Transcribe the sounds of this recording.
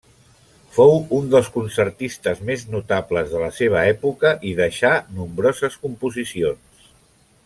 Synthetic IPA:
fowund̪əlˠskunsərt̪ist̪əzmeznut̪abləzðələseβ̞əɛpukəʔiðəʃanumbɾozəskumpuzisions

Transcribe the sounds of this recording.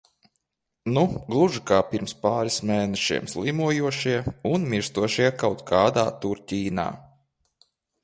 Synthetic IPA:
nuɡlˠuʒikaːpʲiɾmspaːɾismeːnɛʃḭɛmslimuɔjuɔʃiɛunmʲiɾst̪uɔʃiɛkawt̪kʰaːd̪aːt̪uɾtʲiːna̰ː

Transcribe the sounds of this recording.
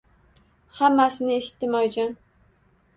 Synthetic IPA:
hamːasɪnɪeʃɪ̥t̪ːɪmɒjd͡ʒan

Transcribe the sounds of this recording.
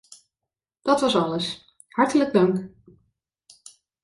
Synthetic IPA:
d̥ɑtʋɑsɑləs | hɑɹtələɡ̚dœŋk

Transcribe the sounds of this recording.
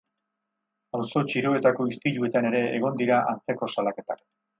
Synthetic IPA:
awso̞t͡ʃiɾo̞e̞t̪ako̞ist̪iʎue̞t̪ane̞ɾe̞ːɣ̞o̞nd̪iɾaʔant͡se̞ko̞salake̞t̪ak

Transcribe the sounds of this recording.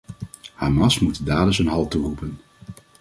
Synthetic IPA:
haːmɑsmutdaːdəsənɦɑlˠturupən

